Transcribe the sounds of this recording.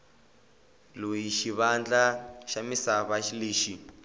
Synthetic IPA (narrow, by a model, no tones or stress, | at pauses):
lojiʃiβand͡ɮaʃamisaβaʃileːʃi